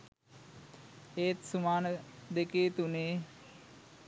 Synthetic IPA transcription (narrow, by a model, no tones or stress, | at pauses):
eːt̪sumaːnəd̪ekeːt̪uneː